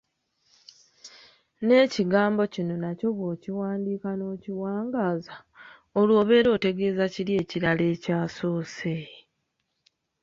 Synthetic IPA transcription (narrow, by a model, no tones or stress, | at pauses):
ne̞ːciɡaːmbo̞cino̞naco̞βoːciwaːndiːkano̞ːciwaːŋɡaːza | olwo̞ːβe̞ːɾo̞ːte̞ɡe̞ːzacilje̞ːciɾale̞ːcaːso̞ːse